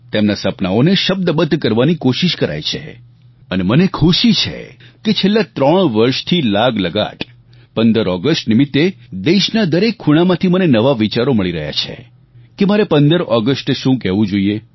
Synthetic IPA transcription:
t̪emnasəpnaoneʃəb̚d̪əbəd̪ʱːkəɾʋanikoʃiʃkəɾa̰jt͡ʃʰḛ | ənemənekʰuʃit͡ʃʰḛket͡ʃʰelːat̪ɾəɳ̃ʋəɾʃt̪ʰilaɡləɡa̰ʈ | pənd̪əɾɔɡəsʈnimit̪ːed̪eʃnad̪əɾekʰːuɽ̃amãt̪ʰimənenəʋaʋit͡ʃaɾoməɭiɾəɦja̰t͡ʃʰḛ | kemaɾepə̃nd̪əɾɔɡəsʈʃũkɛɦʋũd͡ʒoie

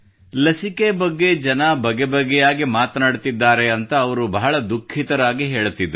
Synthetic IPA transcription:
lɐsikebɐɡːe̞d͡ʒɐnɐbɐɡebɐɡɛjaːɡimaːt̪ɐnaːɽt̪id̪ːaːɾeɐnt̪ɐːʋɐɾubɐɦɐɭɐd̪ukʰːit̪ɐɾaːɡiɦeːɭut̪ːid̪ɾu

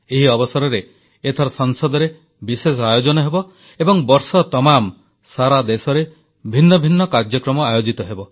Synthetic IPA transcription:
eɦiɔbɔsɔɾɔɾeː | t̪ʰɔɾɔsɔŋsɔd̪ʱɔɾe | bises̬ɔajod͡ʒɔnɔɦebɔ | ebɔŋbɔɾsɔt̪ɔmam | saɾad̪esɔɾe | bʱinːɔbʱinːɔkaɾd͡ʒjɔkɾɔmɔajod͡ʒit̪ɔɦebɔ

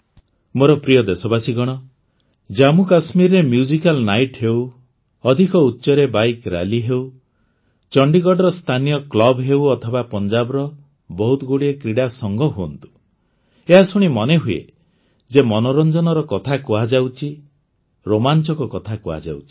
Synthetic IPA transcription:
moɾɔpɾijɔd̪esɔbasiɡɔɽ̃ɔ | d͡ʒamukasmiɾɾemjud͡ʒikalnajʈɦew | ɔd̪ʱikɔutːʃɔɾebajkɾa̰liɦew | t͡ʃɔɳɖikɔɖɔɾɔst̪ʰanijɔklɔbɦewɔt̪ʰɔbapɔnd͡ʒabɔɾɔ | bɔɦut̪ɔɡoɽiekɾiɽasɔŋɡɔɦuɔ̰nt̪u̥ | eɦasuɽ̃imɔneɦuḛ | d͡ʒemɔnɔɾɔnd͡ʒɔnɔɾɔkɔt̪ʰakuad͡ʒawt͡ʃʰi | ɾomant͡ʃɔkɔkɔt̪ʰakua̰d͡ʒa̰wt͡ʃʰi̥

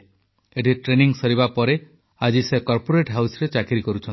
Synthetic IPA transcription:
eʈiʈɾeniŋsɔɾibapɔɾe | ad͡ʒisekɔɾpoɾeʈɦawsɔɾet͡ʃakiɾikɔɾut͡ʃʰɔ

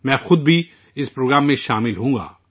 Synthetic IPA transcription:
mɛ̃ːxʊd̪̚bʱi | ɪspɾoːɡɾaːmːẽʃaːmɪlɦũːɡa̰ː

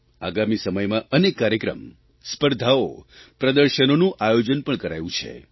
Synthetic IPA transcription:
a̰ɡamisəməjmãənekːaɾjəkɾə̰m | spəɾd̪ʱaopɾəd̪əɾʃənonũʔajod͡ʒənpəɳkəɾajũt͡ʃʰḛ

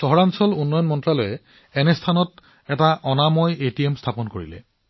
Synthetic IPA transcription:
sɔɦɔɹansɔlunːɔjɔnmɔntɹalɔjɛ | ɛnɛstʰanɔt | ɛtaʔɔnamɔjetiemstʰapɔnkoɹḭlɛ̰

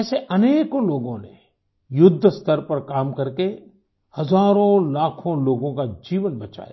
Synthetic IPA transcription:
ɛːseʔɐneːkloːɡõnḛ | jʊd̪ʱːst̪əɾpɐɾkaːmkɐɾke | hɐzaːɾõlaːkʰõloːɡõkad͡ʒiːʋənbɐt͡ʃa̰ːja̰

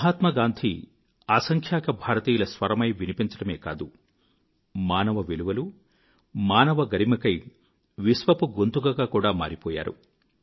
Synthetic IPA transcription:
ɐɦaːt̪mɐɡaːnd̪ʱi | aːsɐŋkʰjaːkɐbʱaːɾɐt̪iːjulɐsʋɐɾɐmɐjʋinipiɲt͡ʃɐɽɐmeːkaːd̪u | maːnɐʋɐʋeluʋɐlu | maːnɐʋɐɡɐɾimɐkɐj | ʋisʋɐpuɡo̞nt̪uɡɐɡaːkuːɽaːma̰ːɾipɔːja̰ːɾṵ

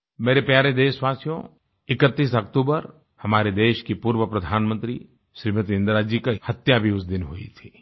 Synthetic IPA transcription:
meːɾepjaːɾed̪eːʃʋaːsjõ̰ | ɪkət̪ːiːsɐkt̪uːbəɾ | hɐmaːɾed̪eːʃkipuːɾʋəpɾɐd̪ʱaːnmə̃nt̪ɾḭ | ʃɾiːmət̪ɪ̃nd̪ɾaːd͡ʒikahɐt̪jabʱiʊsd̪ɪnɦʊḭt̪ʰi

